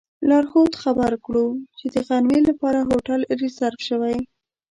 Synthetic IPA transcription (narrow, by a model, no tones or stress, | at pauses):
lɑɾxot̪xabaɾkɽut͡ʃed̪əɣanmelapɑɾaɦoʈalɾesaɾfʃəwaj